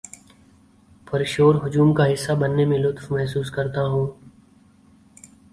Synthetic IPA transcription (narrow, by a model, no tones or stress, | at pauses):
pʰɐɾʃoːɾɦʊd͡ʒuːmkaɦɪsːabənːemẽlʊt̪fmɛɦsuːskɐɾt̪aɦũː